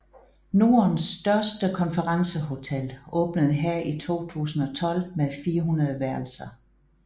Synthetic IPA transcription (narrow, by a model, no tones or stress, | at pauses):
no̝ːɐnsd̥ɶɐsd̥əkʰɒ̽nfɐʁɑ̈ŋsəɦo̝t͡sʰel̰ɔ̽ːb̥nəð̩ˠɦæɐ̰ʔit͡sʰo̝̰ːt͡sʰṵːsn̩ɒ̽t͡sʰɒ̽l̰meðˠfiːɐɦunɐðˠʋæɐl̩sɐ